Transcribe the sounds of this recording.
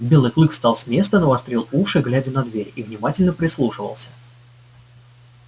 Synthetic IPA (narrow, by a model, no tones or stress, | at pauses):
bʲe̞lˠɨjklˠɨkst̪ɑlˠsʲmʲe̞st̪ənəvɐst̪ɾʲelˠuʂɨɡlʲædʲənɐd̪vʲeɾʲivnʲɪmatʲɪlʲnəpɾʲɪslˠuʂɨvə̰lˠsʲə